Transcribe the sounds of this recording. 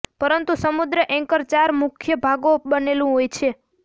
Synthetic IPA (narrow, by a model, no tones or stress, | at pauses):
pəɾənt̪usəmud̪ɾəʔɛ̃ŋkəɾt͡ʃaɾmukʰjəbʱaɡobənelũɦojt͡ʃʰe